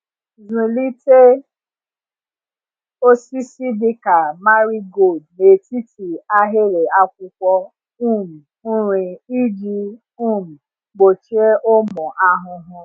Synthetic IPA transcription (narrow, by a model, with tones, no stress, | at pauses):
zĩ˨li˦te˦ | o˦si˦si˦di˧ka˨ma˦ɾi˦ɡo˦˨d̚ne˨ti˦ti˨a˧ɦe˦ɾe˨a˧k̚ʷu˧kʷɔ˧ | ũ˦˨m̩̃˨ | ũ˦ɾ̃ĩ˧i˦d͡ʒi˧ | ũ˦˨m̩̃˨ | ɡ͡bo˨t͡ʃe˦ʔo˦mɔ̃˨ʔa˧ɦʊ̃˧ɦɔ̃˧